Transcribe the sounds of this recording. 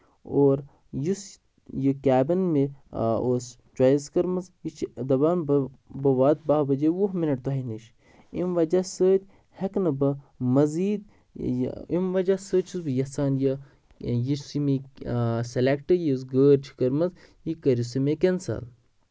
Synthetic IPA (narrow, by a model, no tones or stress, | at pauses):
oːɾ | jus | jəkʲaːbɐnmeos | t͡ʃwajizkɐɾmɐzit͡ʃʰd̪ɐbaːnbbɐʋaːt̪̚baɦbɐd͡ʒewuɦminɐʈ̚t̪uɦɐniʃ | imʋɐd͡ʒasəːt̪ʲ | hɐknɐbɨ | mɐziːd̪̰ | ḭmʋɐd͡ʒasəːt͡ʃʰusbɨjɐsaːnjə | jisimi | selekʈɨjusɡəːɾt͡ʃʰi̥kɐɾmɐz | ikɐɾjusɨmekensɐ̰l